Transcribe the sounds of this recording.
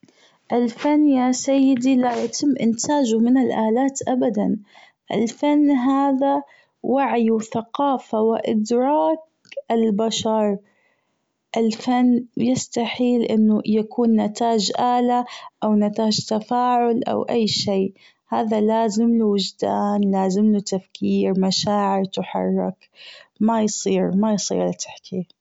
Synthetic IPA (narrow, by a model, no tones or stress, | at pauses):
ʔɪlfanːjaːsajːɪd̪ilajat̪ʰɪmːʔɪnt̪ʰaːd͡ʒʊmɪnɪlʔaːlaːt̪ʔabad̪an | ʔɪ̰lfanːɦaːða | waʕjwθaqɑːfawɪʔɪ̰d̪ɾˤɑːk | ʔɪlbaʃɑɾˤ | ʔɪlfanːjɪst̪aħiːlʔɪnːʊjakʰuːnːat̪aːd͡ʒʔaːlaʔawnat̪aːd͡ʒt̪afaːʕʊlʔa̰wʔajːʃiː | haːðalaːzɪmluwɪd͡ʒd̪a̰ːnlaːzɪmlut̪afkʰiːɾmaʃaːʕɪɾt̪ɪħɑ̰rˤːɪk | majsˤiːɾmajsˤḭːɾlat̪ɪ̥ħkʰi